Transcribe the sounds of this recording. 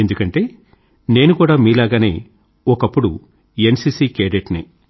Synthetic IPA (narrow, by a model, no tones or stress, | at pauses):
end̪ukɐɳʈe̞ː | ne̞ːnukuːɽaːmiːlaːɡaːne̞̰ː | ɔkɐpːuɽu | ensiːsiːkeːɾeʈnḛː